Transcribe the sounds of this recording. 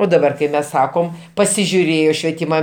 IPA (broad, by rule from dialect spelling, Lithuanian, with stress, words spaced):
oː dɐˈbɐr kɐɪ ˈmʲɛs ˈsɑːkoːm pɐsʲɪʒʲʊˈrʲeːjoː ʃʲʋʲiɛˈtʲiːmɐ